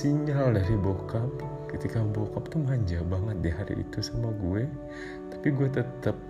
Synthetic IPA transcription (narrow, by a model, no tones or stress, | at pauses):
siɲaldaɾibokap | kət̪ikabokap̚t̪umɦaɲd͡ʒabaŋət̪̚diɦaɾḭʔḭt̪usamaɡuɛ | t̪ḁpiɡuɛt̪ət̪əp̚